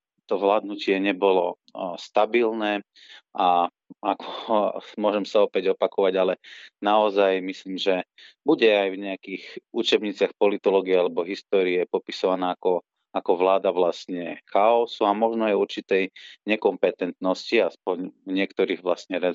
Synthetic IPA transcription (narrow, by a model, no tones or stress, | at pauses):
t̪ɔzlad̪nucɪɛɲɛbɔlɔ | st̪abilnɛː | ʔa | akʰɔmʊɔʒɛmsaɔpɛɟɔpakɔʋaɟalɛnaɔzajmisliːmʒɛ | buɟɛajvɲɛakiːxʔut͡ʃɛbɲiːt͡sɪaxpɔlit̪ɔlɔːɡiɛalɛbɔɦist̪ɔːɾiɛpɔpi̥sɔʋanaːkɔ | akɔʋlaːd̪aʋlasɲɛxaɔsuamɔʒnɔajuɾt͡ʃit̪ɛjɲɛkɔmpɛt̪ɛnt̪nɔsciaspɔɲvɲɪɛkt̪ɔɾiːɣʋlast̪ɲɛɾɛ